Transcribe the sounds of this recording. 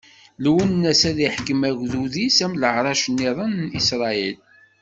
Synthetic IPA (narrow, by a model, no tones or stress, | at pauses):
lwənːæsæðiħkəmæɣðuðisæmləʕɾˤɑʃnːiðˤənːisɾˤɑil